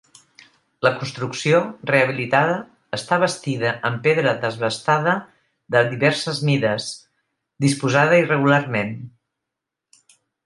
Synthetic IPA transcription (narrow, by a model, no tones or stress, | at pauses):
ləkunst̪ɾuksioreəβ̞ilit̪aðəː | st̪aβəst̪iðəʔəmpeðɾəðəzβəst̪aðə | ðəðiβɛɾsəzmiðəs | d̪ispuzaðəirəɣularmen